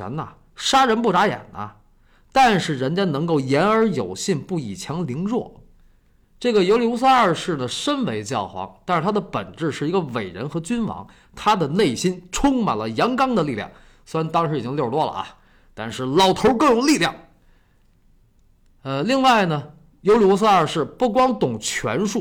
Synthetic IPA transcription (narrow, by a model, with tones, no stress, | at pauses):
ə̰˧˥nɐ˨ | ʂa˥ɻə˧˥npu˥˩ʈ͡ʂa˧˥jɛ̰˨˩nʔɐ̰˦ | t̪a˥˧nʂɻ̩˥˩ɻə˧˥nt͡ɕja˥nɤ˧˥ŋko˥˩ʊjɛ˧˥nə˞˧˥jo˨˩ʊɕi˥˧npu˥˩i˨˩t͡ɕʰjɑ˧˥ŋli˧˥ŋɻwɔ˥˩ | ʈ͡ʂɤ˥˩ɡə˩jo˧˥ʊljo˧˥ʊs̬a˥˧ə˞˥˧ʂɻ̩˥˩nə˩ʂə˥nwe˧˥ɪt͡ɕjɑ˥˩ʊxwɑ̰˧˥ŋt̪a˥˧ʂɻ̩ʰ˥˩a˥d̪ə˨pə̰˨˩nʈ͡ʂɻ̩˥˧ʂɻ̩˥˩i˧˥ɡə˧we˨˩ɪɻə̰˧˥nxɤ˧˥t͡ɕy˥nwɑ̰˧˥ŋ | t̪ʰa˥d̪ə˨ne˥˩ɪɕi˥nʈ͡ʂʰʊ˥ŋma̰˨˩nlə˦jɑ˧˥ŋkɑ˥ŋd̪ə˨li˥˧ljɑ̰˥˩ŋ | swe˧˥ɻnt̪ɑ˥ŋʂɻ̩˧˥i˨˩t͡ɕi˥ŋljo˥˧ʊlwɔ˥˩lə̰˩a̰˩ | t̪a˥˧nʂɻ̩˥˩lɑ˨˩ʊt̪ʰo˧˥ʊkɤ˥˩jʊ˨˩ŋli˥˧ljɑ̰˥˩ŋ | ə˧li˥˧ŋwa˥˩ɪnə˩ | jo˧˥ʊli˨˩wu˥s̬ə˥˧ə˞˥˧ʂɻ̩˥˩pu˥˩kwɑ˥ŋt̪ʊ˨˩ŋt͡ɕʰɥɛ̰˧˥nʂu˥˩